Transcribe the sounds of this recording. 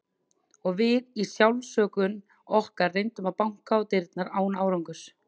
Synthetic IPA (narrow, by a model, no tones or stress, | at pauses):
ɔɣvɪðisjawlsœːkʏn | ɔhkaɾrejnt̪ʏmaðpawŋ̥kaɔt̪ɪɾt̪naɾaːwnaːwɾawŋkʏs